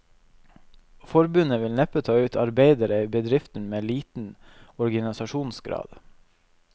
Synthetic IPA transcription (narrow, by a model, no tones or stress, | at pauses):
fɔɾbʉnəʋɪlnɛpət̪ʰɑːʉːt̪ʰɑɾbeɪd̪əɾəiːbəd̪ɾɪft̪n̩meːliːt̪n̩ɔɾɡɑnɪsɑʃuːnsɡɾɑ̰ːd̪̥